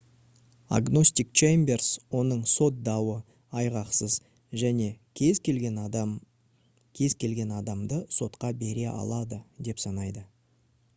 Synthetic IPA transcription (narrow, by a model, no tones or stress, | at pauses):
a̰ɡno̞sʲt̪ik̚t͡ʃejmberswo̞nəɴso̞t̪̚d̪ɑwə | ɑjʁɑqsəz | ʒæne̞ | zʲlʲen | kʲʰe̞zkʲʰe̞lɡʲe̞nɑd̪ɑmd̪əso̞t̪qɑbe̞ɾe̞ʔɑ̰lˠɑd̪əd̪e̞psɑnɑjd̪ə